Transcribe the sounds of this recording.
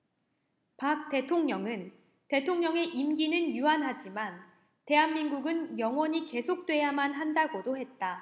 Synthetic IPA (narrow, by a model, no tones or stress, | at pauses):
pak̚t͈e̞tʰoŋɲʌŋɯn | te̞tʰoŋɲʌŋe̞ʔimɡinɯnjuanɦad͡ʑiman | te̞ɦanminɡuɡɯnjʌŋwʌɲike̞sʰok̚t͈we̞jamanɦandaɡodohe̞t̚t͈a